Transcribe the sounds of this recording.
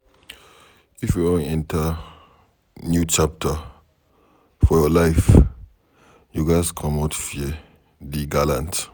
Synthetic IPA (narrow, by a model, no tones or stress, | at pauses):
ifjudõnɛ̃ntʰə | njut͡ʃap̚tʰə | fɔjɔlaɪf | juɡaɪskʰɔ̃matfi | diɡalãnt